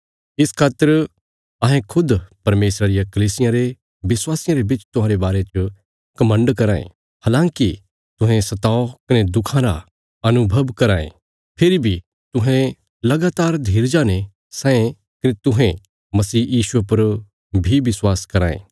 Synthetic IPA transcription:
ɪskʰaːt̪ːəɾ | ɐɦẽkʰʊd̪pɐɾmeːsɾaɾijakɐliːsɪjãɾe | bɪswaːsɪjãɾebɪt͡ʃt̪ʊ̃ɦãːɾebaːɾet͡ʃ | kɐmə̃ɳɖkɐɾaːḛ̃ | haːlãːŋki | t̪ʊ̃ɦɛ̃sɐt̪aːokɐned̪ʊkʰãɾa̰ | ɐnʊbʱɐbkɐɾaːḛ̃ | pʰɪɾibʱi | t̪ʊɦẽ | lɐɡaːt̪aːɾd̪ʱiːɾd͡ʒaːne | sɛ̃ːẽ | kɐnet̪ʊɦẽ | mɐsiːjiːʃuepɐɾ | bʱiʋɪswaːskɐɾã̰ːḛ̃ː

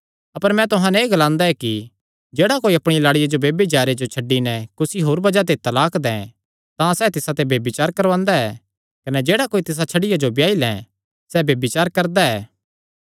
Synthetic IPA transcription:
ɐpəɾmɛ̃t̪ʊɦãnɛeːɡɐlãːnd̪aɛki | d͡ʒeːɽakoːiɐpɽ̃ilaːɽɪjad͡ʒobeːbit͡ʃaːɾed͡ʒot͡ʃʰɐɖːinɛkʊsiɦoːɾbɐd͡ʒat̪̬et̪ːalaːkd̪ɛ̃ | t̪ãsɛːt̪ɪsat̪ebeːbɪt͡ʃaːɾkɐɾʋãːnd̪aɛː | kɐnɛd͡ʒeːɽakoːit̪ɪs̬at͡ʃʰɐɽɪjad͡ʒobjaːilɛ̰̃ | sɛːbeːbɪt͡ʃaːɾkɐɾd̪aɛ̰ː

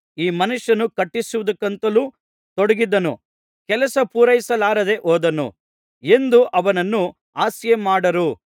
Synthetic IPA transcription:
iːmɐnuʂːɐnukɐʈːisuʋud̪ɐkːɐnt̪ɐluː | t̪oɽɐɡid̪ːɐnṵ | kɛlɐsɐpuːɾɐjisɐlaːɾɐd̪e̞ʔɔːd̪ɐnṵ | e̞nd̪uʔɐʋɐnɐnːu | aːsjemaːɽɐɾu

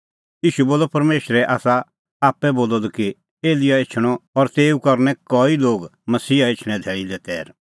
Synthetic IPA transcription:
iːʃuboːlɔpɐɾmeːʃɾɛʔaːsa | aːpːɛboːlɔd̪ki | eːlɪjaɪt͡ʃʰɽ̃ɔɔɾt̪eːukɐɾnɛkɔiloːɡmɐsiːaɪt͡ʃʰɽ̃ɛ̃d̪ʱɛːɽĩd̪ɛt̪ɛ̰ːɾ

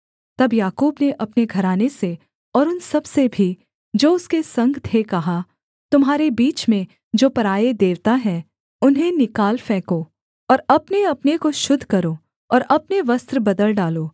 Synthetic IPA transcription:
t̪ɐbjaːkuːbneʔɐpneɡʱɐɾaːnese | ɔːɾʊnsɐbsebʱi | d͡ʒoːʊskesɐ̃ŋɡt̪ʰekɐɦa | t̪ʊmɦaːɾebiːt͡ʃmẽ | d͡ʒoːpɐɾaːed̪eːʋt̪aɦɛ | ʊnɦẽnɪkaːlfɛ̃ːkoː | ɔːɾɐpneɐpnekoʃʊd̪ʱkɐɾoː | ɔːɾɐpneʋɐst̪ɾbɐd̪əlɖaːloː

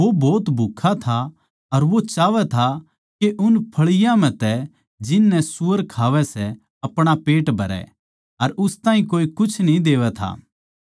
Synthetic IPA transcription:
obɔːt̪bʱʊkʰːat̪ʰa | ɐɾʋot͡ʃaːʋɛt̪ʰa | keʔʊnpʰɐɭɪjãmɛ̃t̪ɛ | d͡ʒɪnːɛsuːəɾkʰaːʋɛsɛ | ɐpɽ̃apeːʈbʱɐɾɛ̰ | ɐɾʊst̪ãːɦĩkoːikʊt͡ʃʰnĩd̪eːʋɛt̪ʰa̰ː

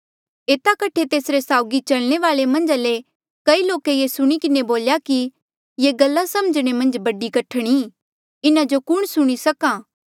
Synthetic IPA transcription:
eːt̪akɐʈʰet̪eːsɾesaːʊɡit͡ʃɐlɽ̃eʋaːɭemɐ̃nd͡ʒale | kɐiloːkejesʊɽ̃ikɪneboːljaki | jeɡɐlːasɐməd͡ʒɽ̃emɐ̃nd͡ʒbɐɖikɐʈʰəɽ̃i | ɪnãd͡ʒokʊɽ̃sʊɽ̃isɐkãː

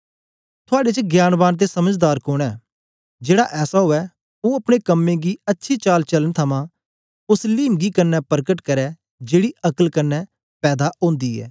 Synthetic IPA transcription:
t̪ʰʊaːɖet͡ʃəɡjaːnbaːnt̪̬esəməd͡ʒd̪aːɾkoːɽ̃ɛː | d͡ʒeːɽaʔɛːsaɦoːɛ | oːɐpɽ̃ekəmːẽːɡiɐtːʃʰit͡ʃaːlt͡ʃələnt̪ʰəmãː | ʊsliːmɡiːkənːɛːpəɾkəʈkɐɾɛː | d͡ʒeːɽiʔɐkəlkənːɛ | pɛːd̪aʔõːnd̪iːɛ̰ː

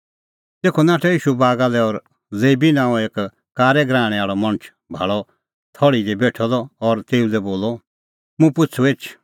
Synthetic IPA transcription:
t̪eːkʰɔnaːʈʰɛjiːʃubaːɡalɛɔɾ | leːbinãːeːk | kaːɾɛɡɾãːɽ̃ɛaːɭɔmɐ̃ñət͡ʃʰ | bʱa̰ɭɔ | t̪ʰɔɭid̪ɛbeːʈʰɔdɔɔɾt̪eːũlɛboːlɔ | mũpʊt͡sʰueːt͡ʃʰ

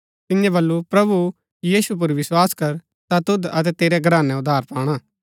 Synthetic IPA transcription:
t̪ɪjɛ̃bɐlːupɾɐbu | jiːsup̬ʊɾʋɪswaːskɐɾ | t̪at̪ʊd̪ɐt̪ɛt̪eːɾɛɡɾaːnɛ̃ʊd̪ʱaːɾpaːɽ̃aː

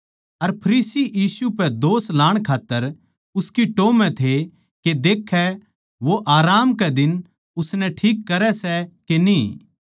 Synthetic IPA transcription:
ɐɾpʰɐɾiːsijiːsupɛd̪oːslaːɽ̃kʰaːt̪ːəɾ | ʊskiʈoːmɛ̃t̪ʰe | ked̪eːkʰɛ | ʋoʔaːɾaːmkɛd̪ɪn | ʊsnɛʈʰiːkːɐɾɛsɛkeniː

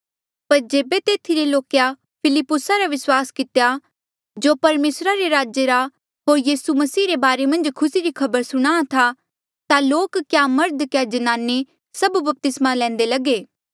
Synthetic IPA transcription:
pɐɾd͡ʒeːbet̪eːt̪ʰiɾeloːkja | pʰɪlɪpːʊsaɾaʋɪswaːskɪt̪eja | d͡ʒoːpɐɾmeːsɾaɾeɾaːd͡ʒjeɾa | ɦoːɾjiːsumɐsiːɾebaːɾemɐ̃nd͡ʒkʰʊsiɾikʰɐbəɾsʊɽ̃aːat̪ʰa | t̪aloːkkjamɐɾd̪kjad͡ʒɐnaːnːi | sɐbubɐp̚t̪ɪsmalɛ̃ːnd̪elɐɡeː

